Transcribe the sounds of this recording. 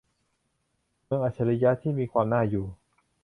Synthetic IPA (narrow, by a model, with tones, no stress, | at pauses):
mɯ˧əŋʔaː˨˩t͡ɕʰa˧la˧jaː˧˥t̪ʰiː˥˩miː˧kʰwaː˧mnaː˥˩juː˨˩